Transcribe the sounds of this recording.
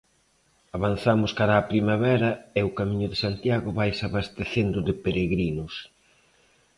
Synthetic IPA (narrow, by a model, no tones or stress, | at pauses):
aβan̟θamʊskaɾaːpɾimaβɛɾɐɪʊkamĩɲʊðɪsant̪jaɣʊβajsaβast̪eθend̪ʊðɪpeɾeɣɾinʊs